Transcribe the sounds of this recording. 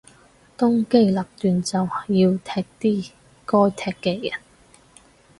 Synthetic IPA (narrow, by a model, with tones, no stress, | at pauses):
t̪ʊ˥ŋke˥jlɐ˨˩p̚t̪yː˨nt͡sɐ˨wjiː˧wt̪ʰɛː˧k̚t̪iː˥ | kɔː˥jt̪ʰɛː˧kːeː˧jɐ˨˩n